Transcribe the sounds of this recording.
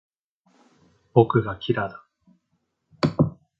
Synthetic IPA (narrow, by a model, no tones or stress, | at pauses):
b̥o̞kɯ̟ɡakʲʰiɾad̪ḁ